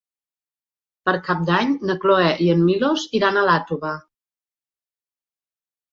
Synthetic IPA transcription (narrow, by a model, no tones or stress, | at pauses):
pəɾkap̚d̪aɲnəkloɛʔiəmːiloziɾanəlat̪uβə